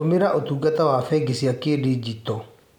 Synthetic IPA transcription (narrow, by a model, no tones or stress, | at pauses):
omeɾaʔotuːɡatawafɛɡesiakeːdid͡ʑitɔ